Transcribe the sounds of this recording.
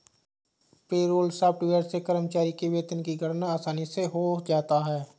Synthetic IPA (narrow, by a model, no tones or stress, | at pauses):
peːɾoːlsaːpɪʋeəːɾsekəɾəmt͡ʃaːɾikeʋeːt̪ənkiɡʱɐɾnaːsaːniseɦod͡ʒaːt̪aɦɛː